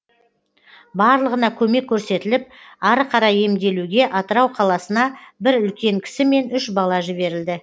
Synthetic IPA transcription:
bɑɾlˠəʁənɑkʲʰɵme̞kʲʰːɵɾse̞t̪ɪlɪp̚ɑɾəqʰɑɾɑje̞md̪e̞luɡʲe̞ʔɑt̪əɾɑwqʰɑlˠɑsənɑbɪɾʏlkʲe̞ŋkʲʰɪ̥sɪme̞nʏʃbɑlˠɑʒɪβe̞ɾɪld̪ɪ

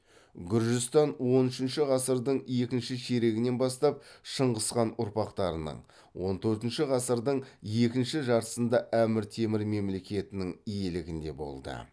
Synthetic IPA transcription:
ɡʲʏɾʒɪst̪ɑnwo̞nʏʃɪnʃɪʁɑsəɾd̪əɴje̞kʲɪnʃɪʃeɾe̞ɡʲɪne̞bɑst̪ɑp̚ʃəɴʁəsqɑnʊɾpɑqt̪ɑɾənə̰ɴ | wo̞nt̪ʰɵɾt̪ɪnʃɪʁɑsəɾd̪əɴje̞kʲɪnʃɪʒɑɾt̪ə̥sənd̪ɑʔæmɪɾt̪ʰe̞mɪɾme̞mle̞kʲe̞t̪ɪnɪŋije̞lɪɡʲɪnd̪e̞̰bo̰lˠd̪ə̰

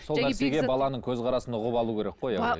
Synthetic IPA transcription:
so̞læɾse̞ɡʲe̞bɑlˠɑnəɴkʲʰɵzqʰɑɾɑsənʊʁəpɑlˠuːkʲʰe̞ɾe̞k̚qoj

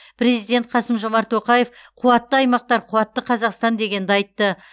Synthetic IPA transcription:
pʰɾezijd̪ʲet̪̚qʰɑsəmʒo̞mɑɾt̪ːo̞qɑje̞fqʰuwɑt̪ːəɑjmɑq̚t̪ɑɾqʰuwɑt̪ːəqʰɑzɑqst̪ɑnd̪e̞ɡʲe̞nd̪ɪɑjt̪ːə

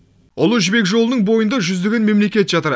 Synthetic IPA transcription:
ʊlˠuʒʏbe̞kʒo̞lˠənəɴbo̞jənd̪ɑʒʏzd̪e̞ɡʲe̞nme̞mle̞kʲe̞t̪ʒ̥ɑt̪əɾ

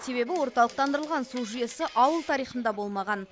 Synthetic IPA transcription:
se̞βe̞bɪwo̞ɾt̪ɑlˠəq̚t̪ɑnd̪əɾəlˠʁɑnsuʒijesɪʔɑwəlˠt̪ʰɑɾijχənd̪ɑbo̞lˠmɑʁɑn

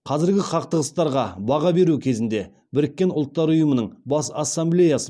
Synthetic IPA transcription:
qʰɑzɪɾɡʲɪqʰɑq̚t̪əʁəst̪ɑɾʁɑbɑʁɑbe̞ɾukʲʰe̞zɪnd̪e̞ | bɪɾɪkʲːe̞nʊlˠt̪ːɑɾʊjəmənəɴbɑsasːamblʲe̞jasə

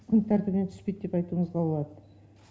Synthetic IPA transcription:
kʲʰʏnt̪ʰæɾt̪ɪpnent̪ʰʏ̥spejt̪̚d̪e̞pɑjt̪uːəɴəzʁɑbo̞lˠɑd̪ə

